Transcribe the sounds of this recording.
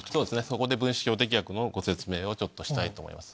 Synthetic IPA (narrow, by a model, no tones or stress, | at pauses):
soːd̪e̞sɨneso̞ko̞d̪e̞bɯ̟̃ɰ̃ɕi̥kʲo̞ːt̪̬e̞k̬ʲijakɯ̟no̞ɡo̞se̞t͡sɨme̞ːo̞t͡ɕo̞t̪ːo̞ɕi̥t̪ait̪o̞̰ːmo̰ḭmasɨ̥